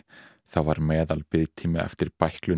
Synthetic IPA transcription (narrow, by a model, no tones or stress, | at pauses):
θavaɾmɛːðalpɪðt̪ʰiːmɪɛ̰ft̪ɪɾ̥pajhklʏ